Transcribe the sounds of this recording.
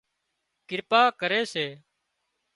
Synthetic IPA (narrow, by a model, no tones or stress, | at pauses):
kɪɾpaːkəɾeːseː